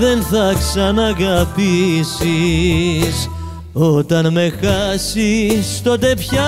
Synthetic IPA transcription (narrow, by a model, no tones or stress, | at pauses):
ðe̞nθɐksɐnɐɣɐpisi | s | o̞t̪ɐnme̞xɐsist̪o̞t̪e̞pçɐ